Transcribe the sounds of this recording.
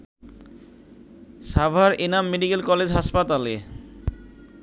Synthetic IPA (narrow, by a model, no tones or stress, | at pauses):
ʃabʱaɾenamːeɖikelkɔled͡ʑɦaʃpat̪ale